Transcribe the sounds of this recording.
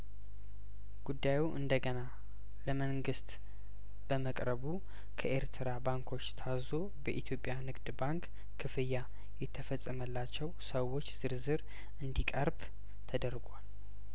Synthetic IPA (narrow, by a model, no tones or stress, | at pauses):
ɡ̥ud̪ːajuʔɨnd̪əɡəna | ləməŋɡɨst̪ | b̥əməkʼɾəβu | kʰəʔeɾt̪ʰɨɾabaŋkʰo̞t͡ʃːt̪ʰazo̞ | bəʔit̪ʰjo̞pʼjanɨɡd̪baŋkːʰ | ɨfɨjːa | jɛt̪ʰːəfəsʼːəməlːat͡ʃːɛwsəwo̞t͡ʃːz̥ɨɾzɨɾ | ʔɨnd̪ikʼəɾb | t̪ʰəd̪əɾɡʷal